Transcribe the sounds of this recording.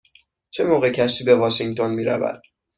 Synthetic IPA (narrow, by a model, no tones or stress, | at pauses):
t͡ʃʰemoːɣecʰæʃt̪iːbe̞vɒːʃiŋɡt̪ʰo̞nmiːɾæ̰væ̰d̪̥̚